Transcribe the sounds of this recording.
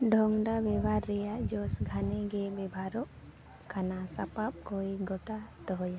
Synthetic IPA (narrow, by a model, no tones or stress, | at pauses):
ɖʱɔŋɖabɛbʱaɾːɛjad͡ʒɔsɡʱanɛɡɛbɛbʱaɾɔʔ | kanasapap̚kɔjɡɔʈat̪ɔɦɔja